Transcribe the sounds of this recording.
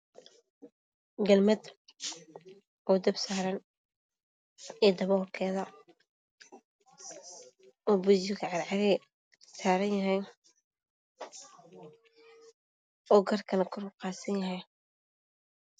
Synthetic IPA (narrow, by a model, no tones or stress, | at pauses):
ɡɐlmɐd̪ | ɔːd̪ɐbsaːɾɐn | ɛːd̪ɐβɔːrkʰɛːðɐ | ʔɔːbʊd͡ʒɪkʰɐʕɑɾʕɑɾɛ | saːɾɐnjɐɦɛj | ɔːɡɐrkʰɐnɐkʰʊrʊlqɑːsɐnjɐɦɛj